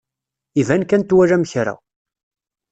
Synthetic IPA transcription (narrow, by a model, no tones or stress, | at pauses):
ivænkænt̪wæɾæmçɾa̰